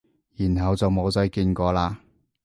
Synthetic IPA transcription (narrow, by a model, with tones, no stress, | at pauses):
jiː˨˩nɦɐ˨wt͡sɐ˨wmo˨˧wt͡sœ˨˥jkiː˧nkɔː˧laː˧